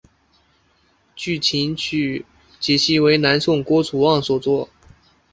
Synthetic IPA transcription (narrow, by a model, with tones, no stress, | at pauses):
t͡ɕy˥˩t͡ɕʰi˧˥ny˥˩ | t͡ɕjɛ˨˩ɕʰi˥we˧˥ɪna˧˥nsʊ˥˩ŋkwɔ˥t͡sʰu˨˩wɑ˥˩ŋswɔ˨˩t͡swɔ˥˩